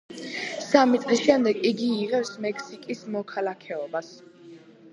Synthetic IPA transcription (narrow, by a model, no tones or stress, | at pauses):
samit̪sʼlisʃɛmd̪ɛɡiɡiːʁɛpsmɛkʰsikʼismɔkʰalˠakʰɛɔbas